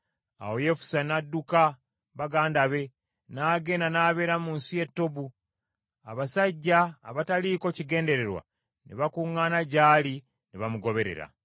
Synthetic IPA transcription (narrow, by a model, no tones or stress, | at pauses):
a̰wo̞je̞fu̥sanadːuka | βaɡaːndaβe̞ | naːɡe̞ːnanaːβe̞ːɾamuːnsije̞tːo̞bu | aβasaɟːaːβataliːko̞ciɡe̞ːnde̞ɾe̞ɾwa̰ | neβakuŋːaːnaɟaːli | neβamuɡo̞βe̞ɾḛɾa̰